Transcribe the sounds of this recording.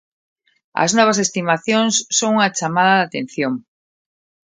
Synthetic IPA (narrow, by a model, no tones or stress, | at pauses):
ɐ̰znɔβ̞as̬est̪imaθjõŋsːõŋuŋat͡ʃamaðaðat̪ẽn̟θjoŋ